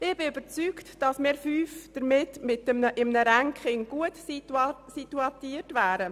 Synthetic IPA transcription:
ɪb̥ɪyb̥əɾt͡syːktd̥ɑsmɪːɾfyːfd̥əɾmɪtmɪtəəʔɪmnəɾæŋkχɪŋɡ̥uətisituɑtiːtvæːɾə

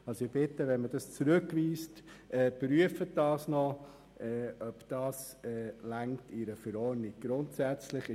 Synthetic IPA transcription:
ɑlsoɪb̥ɪtəʋɛnməd̥ɑst͡sɾɵkʋiːstɛːpɾyəfət̚d̥ɑːsnɔ | ɛːʔœpd̥ɑːs | ɛːlæŋktɪɾəfəɾɔːɾnɪɡ̚ɡ̥ɾʊntsæt͡slɪχɪ

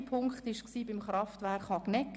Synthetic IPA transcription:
pʰʊŋkχtɪʃksiːbɪmχɾɑftʋæɾχhɑknɛk

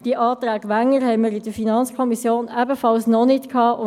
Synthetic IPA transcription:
d̥iəʔɑːtɾæːɡʋæŋːəɾhɛɪməɾɪd̥əfinɑnt͡skʰɔmisjoːnæbəfɑlsnɔnɪtkʰɑːʊ

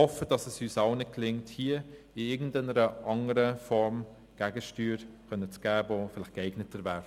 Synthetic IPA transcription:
ɔfəd̥ɑsɛsyːsɑʊnɪt̚klɪŋthiə | ɪɪɡn̩dɛnəɾəʔɑŋəɾəfɔɾm | ɡ̥æɡəʃtyːɾkœnət͡sɡ̥æːbofɪlɪχkɛɪɡnətəɾvæɾ

